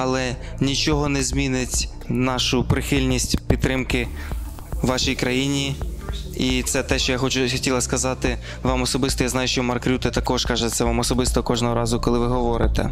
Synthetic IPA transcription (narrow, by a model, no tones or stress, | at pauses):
ɐlˠɛnʲit͡ʃɔɦɔnɛzʲmʲinɪtʲ | nɑʃʊpɾɪxɪlʲnʲisʲtʲpʲid̪ːɾɪmkɪ | ʋːɑʃijkɾɐjinʲi | it̪sɛt̪ɛʃt͡ʃɔjaxɔt͡ʃʊxɔtʲilˠɐskɐzɑt̪ɪ | ʋɑmɔsɔbɪst̪ɔjaznɑjʊʃt͡ʃɔmɐrkɾʲut̪ɛt̪ɐkɔʃkɑʒɛt̪sʲɛɐʋɑmɔsɔbɪst̪ɔkɔʒnɔɦɔɾɑzʊkɔlˠɪʋɪɦɔʋɔɾɪt̪ɛ̰